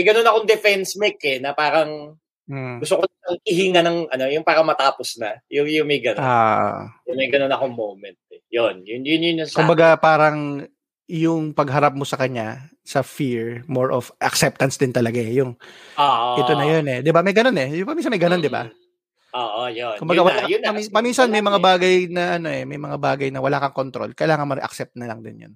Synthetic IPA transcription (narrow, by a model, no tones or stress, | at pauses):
mɐjɡɐnonɐkoŋd̪ɛfɛnsmɛkːɛnɐpaːɾɐŋ | ɡʊst̪okoɐɐŋhihiŋanɐŋʔɐno̞jʊŋpaːɾɐŋmɐt̪aːposnɐjʊŋjʊŋmɐjɡɐnoo̰jʊŋmɐjɡɐnonɐkoŋmowmɛnt̪̚ɛjonjʊnjʊnjʊnɐskʊmbɐɡapaːɾɐŋ | jʊŋpɐɡɦɐɾap̚mo̞sɐkɐɲa | sɐfiɹmoɹʔofʔɐ̰ksɛp̚t̪ɐnsd̪ɪnt̪ɐlɐɡajʊŋoʔʔɛt̪onɐjonɛd̪ɪbamɐjɡɐno̞nɛpɐmins̬ɐnmɐjɡɐno̞nd̪ɪba̰ | oʔojonkʊmbɐɡawɐlajʊɐpɐminsɐnmɐjmɐŋabaːɡɐjnɐʔɐno̞ʔɛmɐjmɐŋabaːɡɐjnɐwɐlaːkɐŋkont̪ɾo̞̰lkɐjlaːŋɐnmɐɾɛ̰ʔɐ̰ksɛp̚t̪̚nɐlɐŋd̪ɪ̰njo̰n